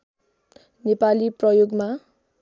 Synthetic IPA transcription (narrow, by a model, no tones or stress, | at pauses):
nepaliprʌjoɡma